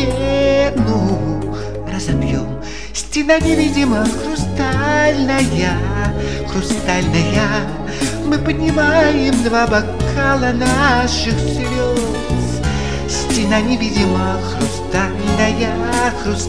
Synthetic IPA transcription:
enu | rəzɐbjom | sʲtʲɪnanʲɪvʲidʲɪməxɾʊst̪alʲnəja | xɾʊst̪alʲnəja | mɨpənʲɪmajɪmd̪vabɐkʰalˠənaʂɨxsvʲo | s | sʲtʲɪnanʲɪvʲidʲɪmə | xɾʊst̪alʲnəja | xɾʊs

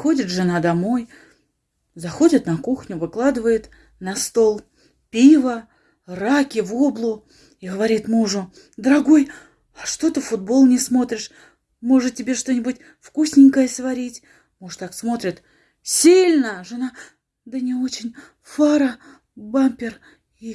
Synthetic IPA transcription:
xo̞dʲɪt̪ʐɨnad̪ɐmo̞j | zɐxo̞dʲɪt̪nɐkuxnʲʊvɨklˠad̪ɨvəjʊt̪ | nɐst̪o̞lˠ | pʲivə | rakʲɪvo̞blˠʊ | iɡəvɐɾʲit̪muʐʊ | d̪əɾɐɡo̞j | ɐʂt̪o̞t̪ɨfʊd̪̚bo̞lˠnʲɪsmo̞t̪ɾʲɪʂ | mo̞ʐɨtʲɪbʲe̞ʂt̪o̞nʲɪbʊtʲ | fkusʲnʲɪŋʲkəjəsvɐɾʲitʲ | muʐt̪aksmo̞t̪ɾʲɪt̪ | sʲilʲnəʐɨna | d̪ənʲɪo̞t͡ɕɪnʲ | faɾə | bampʲɪr | i

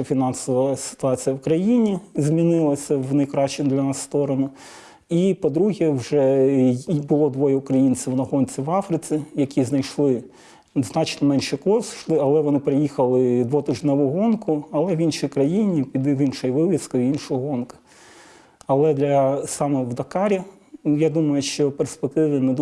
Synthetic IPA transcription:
fʲinɑnsɔʋɐsɪ̥t̪ʊɑt͡sʲijɐwkɾɐjinʲizʲmʲinɪlˠɐsʲɐwnɐjkɾɑʃt͡ʃɪd̪lʲɐnɑsːt̪ɔɾɔnʊ | ipɔd̪ɾuɦʲɛwʒɛ | bʊlˠɔd̪ʋɔjɛʊkɾɐjinʲt͡sʲɪwnɐɦɔnʲt͡sʲiʋɑfɾɪt͡sʲijɐkʲiznɐjʃlˠɪ | znɑt͡ʃnɔmɛnʃɛkɔsʃlˠɪɐlˠɛʋɔnɪpɾɪjixɐlˠɪd̪ʋɔt̪ɪʒnɛʋʊɦɔnkʰʊɐlˠɛʋinʃijkɾɐjinʲipʲid̪ʋinʃɔjʋɪlʲˠɪskʊinʃʊɔɦɔɦɔnkɐ̥ | ɐlˠɛd̪lʲɐsɑmɛwd̪ɐkɑɾʲi | jad̪umɐjʊʃt͡ʃɔperspek̚t̪ɪʋɪnɛd̪

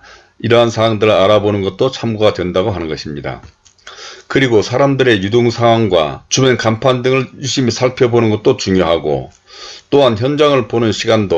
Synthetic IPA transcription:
iɾʌɦansʰaaŋdɯɾɯaɾabonɯnɡʌt̚t͈ot͡ɕʰamɡoɡadwe̞ndaɡoɦanɯnɡʌɕʰimɲida̰ | kɯɾiɡosʰaɾamdɯɾe̞judoŋsʰaŋɦwaŋɡwa̰t͡ɕubenkampʰandɯŋɯɭjuɭɕ͈imisʰaɭpʰjʌbonɯnɡʌt̚t͈ot͡ɕuŋjoɦaɡo̰ | t͈oɦançjʌnd͡ʑaŋɯɭponɯnɕʰiɡando

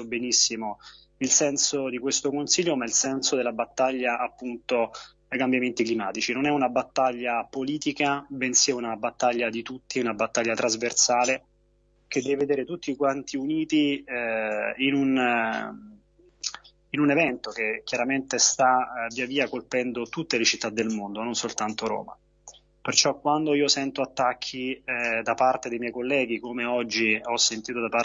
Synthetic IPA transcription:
obenisːimo | ilsɛnsod̪ikwest̪okonsiʎːomailsɛnsod̪elabat̪ːaʎːaʔapːunt̪o | ajkambjament̪iklimaːt̪it͡ʃinonɛunabat̪ːaʎːapoliːt̪ikabensiaunabat̪ːaʎːad̪it̪ut̪ːiunabat̪ːaʎːat̪ɾazversaːle | k̟ed̪ːɛveved̪eːɾet̪ut̪ːikwant̪iuniːt̪i | inun | inunevɛnt̪okekjaɾament̪est̪avːiaviːakolpɛnd̪ot̪ut̪ːelet͡ʃit̪ːad̪ːelmond̪ononsolt̪ant̪oɾo̰ːma̰ | pert͡ʃɔkːwand̪oiːosɛnt̪oat̪ːakʰːid̪apart̪ed̪ejmjɛjkolːɛːɡikomeɔd͡ʒːiɔsːent̪iːt̪od̪apa

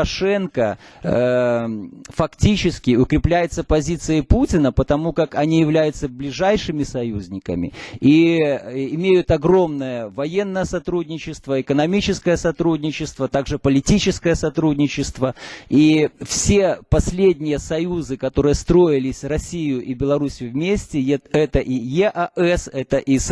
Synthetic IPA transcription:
ɐʂɛnkə | fɐktʲit͡ɕɪskʲɪʊkɾʲɪplʲæjɪt̪səpɐzʲit̪sɨjɪputʲɪnəpət̪ɐmukakɐnʲijɪvlʲæjʊt̪səblʲɪʐajʂɨmʲɪsɐjuzʲnʲɪkə̰mʲɪ̰i | ɪmʲejʊt̪ɐɡɾo̞mnəjəvɐje̞nːəjəsɐt̪ɾudʲnʲɪt͡ɕɪst̪vəɪkənɐmʲit͡ɕɪskəjəsɐt̪ɾudʲnʲɪt͡ɕɪst̪vət̪aɡʐɨpəlʲɪtʲit͡ɕɪskəjəsɐt̪ɾudʲnʲɪt͡ɕɪst̪vəifsʲepɐsʲlʲedʲnʲɪjəsɐjuzɨkɐt̪o̞ɾɨjəst̪ɾo̞jɪlʲɪsʲrɐsʲijʊʔibʲɪlˠɐɾusʲjʊvmʲesʲtʲɪɛt̪əʔijɛʔɐɛsɛt̪əʔis

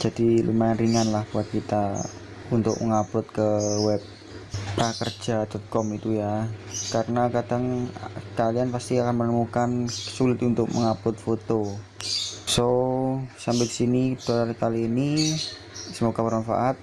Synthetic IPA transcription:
d͡ʒ̥adilṵmanɾiŋanlahbuat̪̚kit̪a | unt̪ʊ̰k̚məŋaplʊt̪kəwɛp̚ | pɾakərd͡ʒadɔt̪̚kɔmit̪ujakaɾənakadaŋkalianpast̪iakanmənəmukansulɪt̪unt̪ʊk̚məŋaplʊt̪̚fot̪o | so | sambɛki̥sinit̪uaɾikaliːni | səmoɡamaɾanfa̰ʔat̪̚

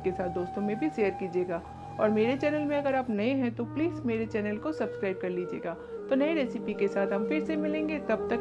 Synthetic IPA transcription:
kesaːt̪̚d̪oːst̪õmẽbʱiʃeːəɾkiːd͡ʒieːɡaː | ɔ̰ːɾmeːɾet͡ʃɛːnəlmẽɐɡəɾaːpnɐẽɦɛ̃t̪opliːzmeːɾet͡ʃɛːnəlkosɐbskɾaːɪb̚kɐɾliːd͡ʒiḛːɡaː | t̪onɐẽɾeːsɪpikesaːt̪ɦɐmfɪɾsemɪlẽːŋɡet̪ɐb̚t̪ɐk

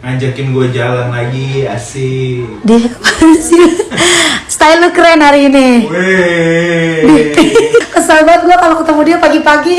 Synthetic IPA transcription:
ŋaɲd͡ʒakɪnɡuad͡ʒalanlaɡia̰sidiabasa | st̪ailəkɾɛnaɾiːnie | biikəsabaat̪̚ɡuakalokət̪əmudiapaɡipaɡi

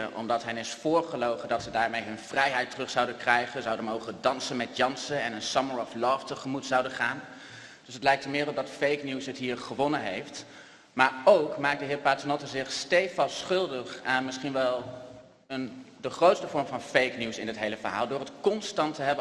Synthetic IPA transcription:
əʔɔ̰mdɑtɦɛnɪsfʊːɹχəlowχədɑtsədaːɹmejɦɵnv̥rɛjɦɛjtərɵχsɑwdənkrɛjχənzɑwdənmowχəndɑnsənmɛtjɑnsənɛnənsɑməɹɔflɔːftəχəmutsɑwdəχaːn | d̥ɵsətlɛjk̚təmɪːɾɔdɑtfejknisɦətɦiːɹχəʋɔnənɦejft | maːɹowkmaːk̚dəɦɪːɹpaːtənɔtəzɪχstejfɑsχɵlˠdəχanmɪsχinʋɛlˠ | əndəχrowtstəvɔɹmvɑnfejknusɪnɪtɦejləvəɹɦa̰ːlˠdʊːrɦətkɔnstɑntəɦɛbə

